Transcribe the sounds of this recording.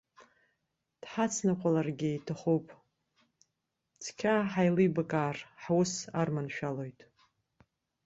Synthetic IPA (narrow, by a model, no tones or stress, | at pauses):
d̥ħat͡sʰnɨqʷʼalarɡʲɪjtʰaχupʼ | t͡sʰkʲʰaħajlibakʼaːrħwʊsarmanʃᶣalo̞jtʼ